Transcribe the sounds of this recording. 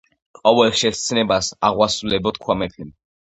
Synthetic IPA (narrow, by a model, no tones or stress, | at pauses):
qʼɔvɛlχʃɛtt̪sʰnɛbasaʁwasulɛbɔt̪̚kʰwamɛpʰim